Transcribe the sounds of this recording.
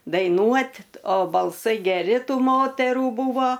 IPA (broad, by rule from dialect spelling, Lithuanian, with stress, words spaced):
dɐɪˈnuɔtʲ oː bɐlˠˈsɐɪ ɡʲɛˈrʲɪ ˈtuː ˈmoːtʲɛruː ˈbuːʋoː